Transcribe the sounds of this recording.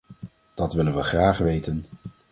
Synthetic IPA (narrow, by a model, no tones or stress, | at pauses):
d̥ɑtʋɪlənʋəχraːχʋejtən